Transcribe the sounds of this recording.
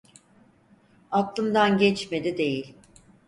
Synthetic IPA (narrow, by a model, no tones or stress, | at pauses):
aklˠɯmd̪anɟɛt͡ʃme̞d̪id̪e̞jilʲ